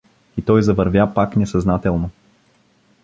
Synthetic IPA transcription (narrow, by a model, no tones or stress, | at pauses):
it̪ɔjzɐvɐɾvʲjapaknɛsɐznat̪ɛlˠno